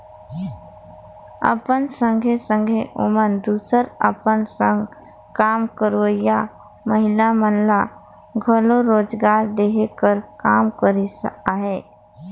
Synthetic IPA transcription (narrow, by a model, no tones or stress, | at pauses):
ə̰pənsə̃ŋɡʱesə̃ŋɡʱeʔʊmənd̪uːsəɾəpənsə̃ŋɡ | kaːmkəɾəja | məɦɪlamənla | ɡʱəloɾoːd͡ʒɡaːɾd̪eːɦekəɾkaːmkəɾisəkaɦɛː